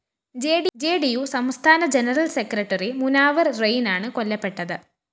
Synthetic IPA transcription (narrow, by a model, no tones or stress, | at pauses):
d͡ʑeːɖid͡ʑeːɖijusɐmst̪ʰaːnɐd͡ʑenɐrɐlsekrɐʈːɐrimunaːʋɐrrejnaːɳɨko̞lːɐpːe̞ʈːɐðɨ